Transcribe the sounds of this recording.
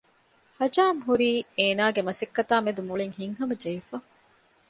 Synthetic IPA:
hɐd͡ʒaːmɦuɾiːeːnaːɡemɐsɐkːɐt̪aːmed̪umuɭiŋhiŋɦɐmɐd͡ʒɐfɐ

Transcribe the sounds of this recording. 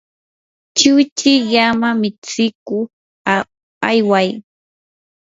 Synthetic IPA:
t͡ʃʊt͡ʃɪʎamamɪt͡sɪkʊ | ajwaj

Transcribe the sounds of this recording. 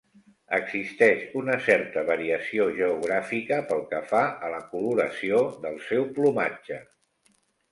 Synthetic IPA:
əɡz̥ist̪ɛʃunəsɛɾt̪əβəɾiəsioʒəuɣɾafikəpəlˠkəfaələkuluɾəsioðəlˠsɛwplumḁd͡ʒə

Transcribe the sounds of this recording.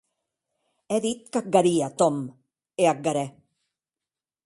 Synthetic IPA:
ɛðit̪kak̚ɡaɾiat̪ɔm | eak̚ɡaɾɛ

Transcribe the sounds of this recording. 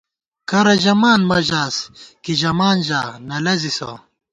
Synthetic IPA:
kɐɾɐʑɐmaːnmɐʑaːskiʑɐmaːnʑaːnɐlɐziso̰

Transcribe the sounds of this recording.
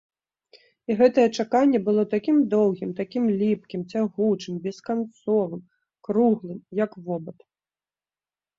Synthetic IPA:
iɣɛt̪ɐjɛt͡ʂakanʲːɛbɨlˠɔt̪akʲimd̪ɔwɣʲimt̪akʲimlʲipkʲimt͡sʲaɣut͡ʂɨmbʲɛskant̪sɔvɨm | kɾuɣlˠɨmjɐkvɔbɐt̪

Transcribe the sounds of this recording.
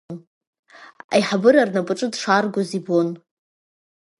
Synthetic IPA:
n | a̰jħabɨɾarnapʼɨʈ͡ʂʼɨdʂarɡʷozibon

